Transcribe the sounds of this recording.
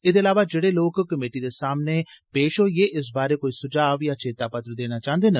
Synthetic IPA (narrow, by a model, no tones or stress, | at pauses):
ɪd̪eɐlaːʋad͡ʒeɽeloːɡkːəmeːʈid̪esaːmnepeːʃojeːʔɪs̬baːɾekoːisʊd͡ʒaːʋjaːt͡ʃeːt̪apɐt̪ɾd̪eːnat͡ʃãːɦənd̪eːnə